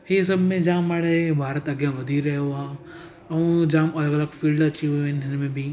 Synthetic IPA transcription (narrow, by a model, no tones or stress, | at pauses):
hes̬ɐbʱmẽd͡ʒaːmaːɽəɦebʱaːɾət̪ɐɡjaʋɐd̪ʱiɾɐɦoã | ɐʋũd͡ʒãːmɐləɡɐləɡfiːlɖɐt͡ʃiɦuẽnɦɪnmẽbʱi